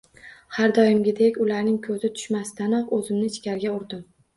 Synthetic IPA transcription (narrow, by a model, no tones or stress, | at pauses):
haɾd̪ɒjɪmɡʲɪd̪ekʲʊlaɾnɪŋkʰɵzɪt̪ʰʊ̥ʃmasɪt̪anaqɵzɪmnɪt͡ʃkʲaɾɡʲaʊɾd̪ɪm